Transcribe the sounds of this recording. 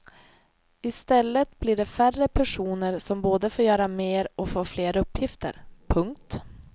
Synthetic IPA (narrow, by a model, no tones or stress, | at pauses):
ɪst̪ɛlːət̪bliɖɛfærəpʰæʂuːnəɾsɔmboːd̪əfoːɾjœːɾameːɾɔfoːfleːɾɵpːjɪft̪ə̰ɾpʰɵŋk̚t̪